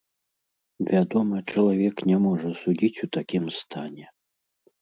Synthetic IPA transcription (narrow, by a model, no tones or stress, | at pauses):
vʲad̪ɔmɐt͡ʂɐlˠavʲɛknʲɛmɔʐɐsud͡zʲit͡sʲut̪akʲimst̪ʰanʲɛ